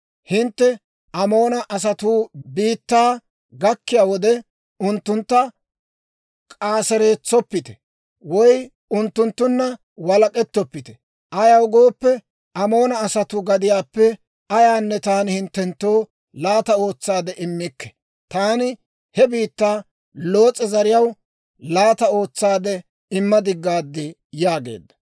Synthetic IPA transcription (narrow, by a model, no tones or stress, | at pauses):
hɪnt̪ːɛ | ʔɐmo̞ːnɐʔɐs̬ɐt̪ubiːt̪ːaː | ɡɐkːɪjaːwɔd̪ɛ | ʊnt̪ːʊnt̪ːɐ | kʼaːsɛɾeːt͡sːɔpːɪt̪ɛ̥ | wɔj | ʊnt̪ːʊnt̪ːʊnːɐ | wɐlɐkʼɛt̪ːɔpːɪt̪ɛ̥ | ʔɐjɐwɡo̞ːpːɛ | ɐmo̞ːnɐːsɐt̪ʊɡɐd̪ɪjaːpːɛ | ɐjaːnːɛt̪aːnɪhɪnt̪ːɛnt̪ːow | laːt̪ɐo̞ːt͡sːaːd̪ɛʔɪmːɪkːɛ̥ | t̪aːnɪ | hɛbiːt̪ːaː | lo̞ːt͡sʼːɛzɐɾɪjɐw | laːt̪ɐo̞ːt͡sːaːd̪ɛ | ɪmːɐd̪ɪɡːaːd̪ːɪ | jaːɡe̞̰ːd̪ːɐ̥